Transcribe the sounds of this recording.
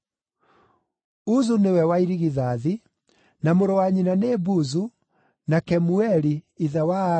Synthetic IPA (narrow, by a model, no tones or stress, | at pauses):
uzunewɛwaiɾiɣiðaði | namoɾɔwaɲinanebuzu | nakɛmuɛɾiiðawa